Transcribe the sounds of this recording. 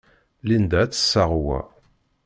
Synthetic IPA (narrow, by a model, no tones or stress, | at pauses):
lind̪æt͡sːə̥sːaʁwæ̰